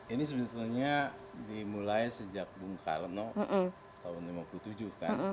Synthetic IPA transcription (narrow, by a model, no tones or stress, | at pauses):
inis̬əbilt̪ɲadimulajsəd͡ʒak̚bumka̰lənɔ | t̪aʊnlimapulut̪ud͡ʒuka̰n